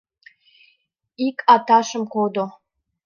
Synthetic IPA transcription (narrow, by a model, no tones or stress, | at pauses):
ikʼatʰaʃəmkʰʷod̪o